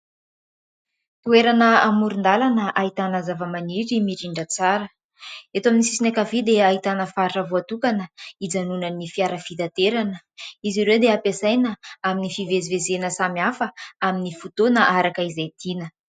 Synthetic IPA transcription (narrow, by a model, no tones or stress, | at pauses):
t̪ueɾanəamuɾund̪alanəʔait̪anəzavəmaniɾimiɾiɳɖ͡ʐət͡saɾə | et̪oaminisi̥sinakavid̪eaɦit̪anəfaɾiʈ͡ʂavoat̪ukanəid͡zanunənifiaɾəfid̪at̪eɾanə | iziɾed̪eapesajnəaminifivezivezenəsamiafəaminifut̪onəʔaɾakəizet̪inə